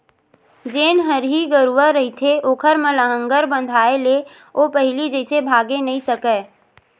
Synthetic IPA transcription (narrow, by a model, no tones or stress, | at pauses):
d͡ʒeːnɦəɾɦiɡəɾuəɾəɦit̪ʰeʔoːkʰəɾmələɦə̃ŋɡəɾbə̃nd̪ʱaːele | opəɦɪlid͡ʒɛɪsebʱaːɡenɐĩsəkəː